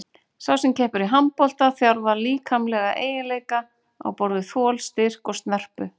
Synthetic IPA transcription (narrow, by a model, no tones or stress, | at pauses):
saːwsɛmcʰɛːhpʏɾiɦampɔl̥t̪aθjawɾvaɾliːkʰamlɛɣaʔḛːjɪnleːjka | a̰wpɔɾðʏθɔːlst̪ɪr̥kɔst̪nɛr̥pʏ